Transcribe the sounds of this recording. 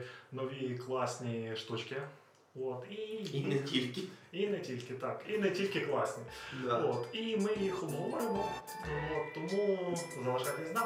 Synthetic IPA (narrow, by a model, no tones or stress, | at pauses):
nɔʋʲiklˠɑsʲnʲiʃt̪ut͡ʃkɪ | ot̪itʲilʲkʲɪinɛtʲilʲkɪt̪ɑkinɛtʲilʲkɪklˠɑsʲnʲiot̪imɪjixʊmɔʋɔjemɔ | ot̪ːɔmuzɐʋɐʒɑlʲina